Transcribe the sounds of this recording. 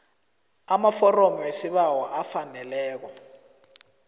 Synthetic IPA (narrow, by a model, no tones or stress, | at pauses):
amafɔromwesiɓawaʔafanɛlɛːk̬ɔ